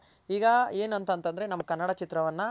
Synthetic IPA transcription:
iːɡɐe̞ːnuɐnt̪ɐnt̪ɐnd̪ɐɾe̞nɐmːɐkɐnːɐɽɐt͡ʃit̪ɾɐʋɐnːɐ

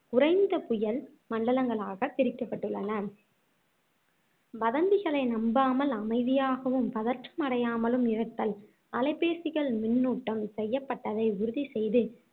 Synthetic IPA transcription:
kʊrɐɪnd̪ɐpʊjɐɭ | mɐɳɖɐlɐŋɡɐɭaːɣɐp̪ːɪɾɪkːɐpːɐʈːɯɭːɐnɐ | bɐðɐnd̪ɪɣɐɭɐɪnɐmbaːmɐlɐmɐɪðɪjaːɣɐʋɯmpɐðɐɾʈrɐmɐɽɐjaːmɐlɯmɪɾɐt̪ːɐl | ɐlɐɪpːeːsɪɣɐɭmɪnːuːʈːɐmsɛjːɐpːɐʈːɐðɐɪʊɾʊðisɛjðɯ

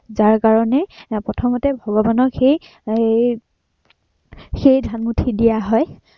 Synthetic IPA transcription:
zaɹkaɹɔnɛpɹɔtʰɔmɔtɛbʱɔɡɔbanɔxej | xejdʱanmutʰidijaɦɔj

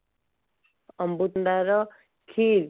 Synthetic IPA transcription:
ʌmbut̪nd̪aɾʌ | kʰiɾ

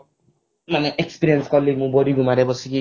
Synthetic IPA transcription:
manɛʔekspiɾiɛnskɔlːimũbɔɾiɡumaɾɛbɔsiki

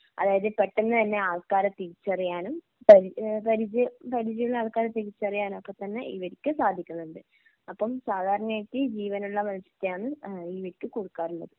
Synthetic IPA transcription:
ɐ̰ðaːjɐðɨpɐʈːenːɨt̪ɐnːe̞aːɭkaːɾɐt̪ːiɾit͡ɕːɐrijaːnum | pɐɾpɐɾid͡ʑɨpɐɾid͡ʑijuɭːɐaːlkaːɾɐt̪ːiɣit͡ɕːɐrijaːnumɐpːɐt̪ɐnːeiʋɐɾikʲːɨsaːd̪ʱːikʲːunːɐuɳɖɨ | ɐpːɐmsaːd̪ʱaːɾɐɳɐmajkːɨd͡ʑiːʋɐnuɭːɐmɐlsjɐ̥t̪ːejaːɳɨiʋɐɾikʲːɨkuɽukːaːɾuɳːɐ̰ðɨ

